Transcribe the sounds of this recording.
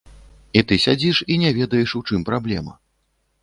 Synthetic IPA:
it̪ɨsʲad͡zʲiʂinʲɛvʲɛd̪ɐjɛʂuwt͡ʂɨmpɾablʲɛmɐ̰

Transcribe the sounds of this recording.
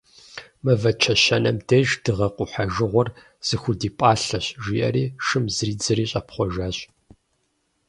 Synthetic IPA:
mɐvɐt͡ʃʰɐʃɐnɐmdɐʒdɨʁɐqʷʊħaʒɨʁʷɔr | z̥ɨxʷʊdiːpʼaːɬɐɕʒʷiːʔɐ̰ɾiːʃɨmzriːd͡zɨɾiːɕʼɐpχʷɔʒaːɕʼ

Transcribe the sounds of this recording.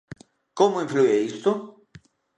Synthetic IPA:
komʊĩflueist̪ʊ

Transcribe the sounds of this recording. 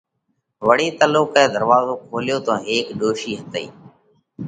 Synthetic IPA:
ʋəɽeːt̪əloːkɛ̃ːd̪ʱəɾʋaːzoːkʰoːljoːt̪ãːɦeːkɗoːʃiːɦət̪əḭː

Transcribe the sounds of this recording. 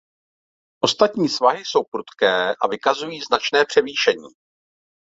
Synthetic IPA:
ʔo̞st̪at̪ɲiːsvaɦɪso̞wpɾut̪kɛːʔa̰vɪkazujiːznat͡ʃnɛːpr̝̥ɛviːʃɛɲiː

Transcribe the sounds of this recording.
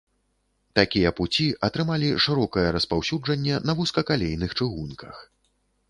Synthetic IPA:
t̪akʲijɛput͡sʲiʔɐt̪ɾɨmalʲiʂɨɾɔkɐjɛɾɐspawsʲud͡ʐɐnʲːɛnɐvuskɐkalʲejnɨxt͡ʂɨɣunkʰɐ̰x

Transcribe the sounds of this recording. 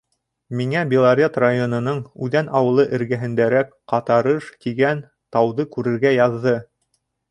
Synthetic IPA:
miŋæbʲɪlˠaɾʲet̪rajonŏnɤɴʉðænɑwɤ̆lˠɤʔɘ̆ɾɡæɦɘ̆nd̪æɾækqɑt̪ɑɾɤʃt̪iɡæn | t̪ɑwðɤkʉɾɘ̆ɾɡæjɑðːɤ

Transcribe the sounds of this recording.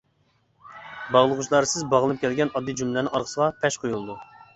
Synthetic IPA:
bɑʁlˠəʁuʃlˠɑɾɨsɪzbɑʁlˠɨp̚kʲʰɛlɡʲɛnɑd̪ːɨd͡ʒymlænɪŋɑɾqʰə̥səʁɑpʰɛʃqʰojulˠd̪u

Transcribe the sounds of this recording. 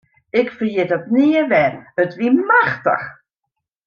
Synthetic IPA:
ɪkfərjɪdɔtniəʋɛnətʋimaxtə̰x

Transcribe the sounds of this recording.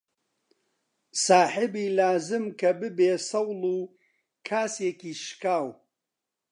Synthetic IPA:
saːħɪbiːlaːzɨmkʰɐbɨbeːsɐwlˠuː | kʰaːseːkiːʃkaːw

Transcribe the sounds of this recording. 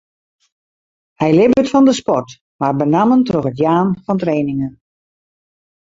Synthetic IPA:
hɛjlɪbətfɔndəspɔrt | marbənaməntroxətjaːnfɔntreːnɪŋən

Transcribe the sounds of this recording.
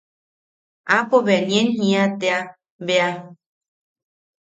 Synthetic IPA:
apoβeaɲẽnhĩãt̪ea | βea

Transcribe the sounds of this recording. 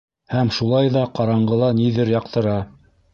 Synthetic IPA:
hæmʃulˠɑjðɑqɑɾɑɴɢɤ̆lˠɑniðɘɾjɑqt̪ɤ̆ɾɑ

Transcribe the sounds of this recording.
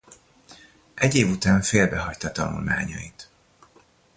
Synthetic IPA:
ʔɛɟeːvut̪aːɱfeːlbɛɦɒct̪ɒt̪ɒnṵlma̰ːɲɒ̰it̪

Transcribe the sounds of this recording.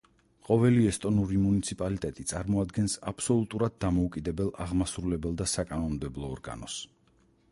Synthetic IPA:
qʼɔvɛliɛst̪ʼɔnuɾimunit̪sʰipʼalit̪ʼɛt̪ʼit̪sʼaɾmɔad̪ɡɛnsa̰pʰsɔlˠut̪ʼuɾad̪̚ːamɔukʼid̪ɛbɛlˠaʁmasɾulɛbɛlˠd̪asakʼanɔnmd̪ɛblˠɔːɾɡa̰nɔs

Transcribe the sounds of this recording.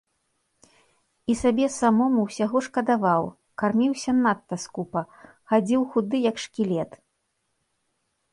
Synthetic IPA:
isabʲɛsamɔmuwsʲaɣɔʂkɐd̪avaw | karmʲiwsʲɐnat̪ːɐskupɐ | xad͡zʲiwxud̪ɨjɐkʂkʲilʲɛt̪

